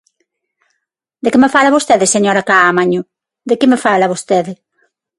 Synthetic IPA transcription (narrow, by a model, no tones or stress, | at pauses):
d̪ekemefalaβost̪eðeseɲoɾakaːmaɲʊ | d̪ekɪmefalaβost̪eðɪ